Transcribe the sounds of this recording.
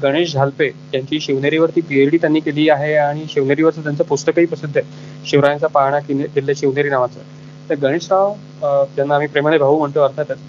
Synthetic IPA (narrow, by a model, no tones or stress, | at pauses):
ɡəɽ̃eɕd͡zʱalpet̪jaɲt͡ɕiːɕeʋneɾiʋəɾt̪iːpieɾɖiːt̪janːiːkeliːaɦeaɽ̃iɕeʋneɾiːʋəɾt͡sət̪jant͡səpust̪əkəiːpɾəsid̪ʱːe | ɕeʋɾajant͡sapaɦɳ̃akenkelːaɕeʋneɾiːnaʋat͡sə̰ː | t̪əɾɡəɽ̃eʂnaʋ | t̪janːaam̤iːpɾemənebʱəɦuːm̤əɳʈ̪əəɾt̪ʰat̪ət͡s